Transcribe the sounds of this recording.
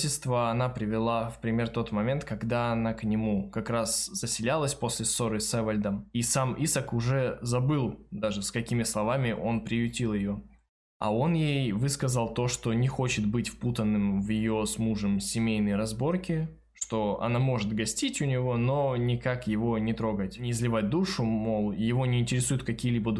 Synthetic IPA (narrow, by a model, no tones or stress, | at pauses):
ʃʲɪst̪vəɐnapɾʲɪvʲɪlˠafpɾʲɪmʲe̞rt̪o̞t̪mɐmʲe̞nt̪kɐɡd̪aɐnaknʲɪmukɐkɾasz̥əsʲɪlʲalˠəsʲpo̞sʲlʲɪso̞ɾɨsɛvəlʲd̪əmisamisəkʊʐɛzɐbɨlˠd̪aʐɨskɐkʲimʲɪslˠɐvamʲɪʔo̞npɾʲɪjʊtʲilˠjɪjo̞ | ɐ̰o̞njejvɨskɐzəlˠt̪o̞ʂt̪o̞nʲɪxo̞t͡ɕɪt̪̚bɨtʲfput̪ənːɨmvjɪjo̞smuʐəmsʲɪmʲejnəjɾɐzbo̞rkʲɪ | ʂt̪o̞ɐ̰namo̞ʐɨt̪ɡɐsʲtʲitʲʊnʲɪvo̞no̞nʲɪkakjɪvo̞nʲɪt̪ɾo̞ɡətʲnʲɪɪzlʲɪvat̚ʲd̪uʂʊmo̞lˠjɪvo̞nʲɪɪnʲtʲɪɾʲɪsujʊt̪̚kɐkʲijlʲibə